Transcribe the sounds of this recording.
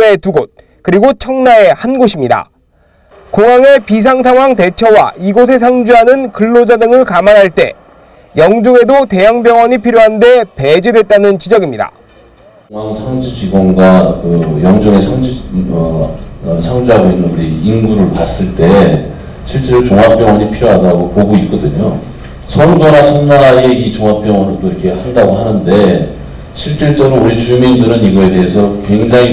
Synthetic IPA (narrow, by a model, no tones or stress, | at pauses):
etuɡot̚ | kɯɾiɡot͡ɕʰʌŋnae̞hanɡoɕʰimɲida̰ | koŋaŋe̞pis̬ʰaŋsʰaŋɦwaŋte̞t͡ɕʰʌwa̰iɡos̬ʰe̞s̬ʰaŋd͡ʑuɦanɯnkɯɭːod͡ʑadɯŋɯɭkamanɦaɭt͈e̞̰ | jʌŋd͡ʑoŋe̞dote̞jaŋbjʌŋʌɲipʰiɾjoɦande̞pe̞d͡ʑidwe̞t̚t͈anɯnt͡ɕid͡ʑʌɡimɲida̰ | ŋaŋsʰaŋd͡ʑud͡ʑiɡwʌnɡwakɯjʌŋd͡ʑʌŋesʰaŋd͡ʑiʌ | sʰaŋd͡ʑiɦaɡoinːɯnuɾiːnɡuɾɯɭpas͈ɯɭt͈e̞ | ɕʰiɭt͡ɕ͈e̞ɾot͡ɕoŋɦap͈jʌŋʌɲipʰiɾjoɦadaɡopoɡoit̚k͈ʌdɯɲo | sʰʌnɡonasʰʌnnaɾieit͡ɕoŋɦap͈jʌŋʌnot͈oiɾʌkʰe̞handaɡoɦanɯnde̞ | ɕʰiɭt͡ɕ͈iɭt͡ɕ͈ʌɡɯɾouɾit͡ɕumindɯɾɯniɡʌe̞de̞ɦe̞sʰʌkwe̞ŋd͡ʑaŋi